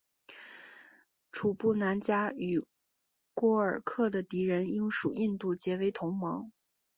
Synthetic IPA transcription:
ʈ͡ʂʰu˨˩pu˥˩na˧˥nt͡ɕja˥y˨˩ | kwɔ˥ə˞˨˩kʰɤ˥˩d̪ə˩t̪i˧˥ɻə˧˥ni˥ŋʂu˨˩i˥˧nt̪u˥˩t͡ɕjɛ˧˥we˧˥ɪt̪ʰʊ˧˥ŋmɑ˧˥ŋ

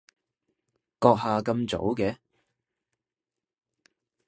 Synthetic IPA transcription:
kɔː˧k̚haː˨kɐ˧mt͡so̰˨˥wkɛː˨˥

